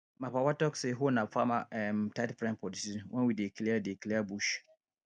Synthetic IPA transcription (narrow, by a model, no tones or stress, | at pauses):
mãpawatɔkseɦʊnãfʰamãɛmtatpɾɛ̃npʰɔdisinwʔɔ̃nwidekʰiliadekʰiliabuʃ